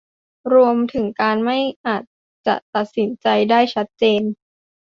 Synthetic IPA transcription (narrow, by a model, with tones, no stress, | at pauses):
ɾu˧əmt̪ʰɯ˩˦ŋkaː˧nma˥˩jʔaː˨˩t̪̚ | t͡ɕa˨˩ʔt̪a˨˩t̪̚si˩˦nt͡ɕa˧jdaː˥˩jt͡ɕʰa˦˥t̪̚t͡ɕeː˧n